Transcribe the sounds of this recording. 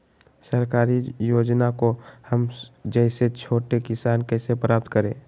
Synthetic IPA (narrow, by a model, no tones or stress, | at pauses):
səɾkaːɾijoːd͡ʒnakohəmd͡ʒəɪset͡ʃʰoːʈekɪsaːnkɛɪsepɾaːp̚t̪kəɾẽ